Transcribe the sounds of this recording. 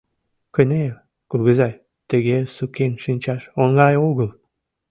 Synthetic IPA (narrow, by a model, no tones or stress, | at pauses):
kənel | kulɣəzɑj | t̪əɣesukenʃinʲt͡ɕɑʃoŋɡɑjoɣəl